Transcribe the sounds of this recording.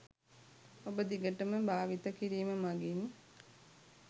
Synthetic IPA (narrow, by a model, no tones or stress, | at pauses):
obəd̪iɡəʈəməbʱaːʋit̪ɐkiɾiːməmaɡim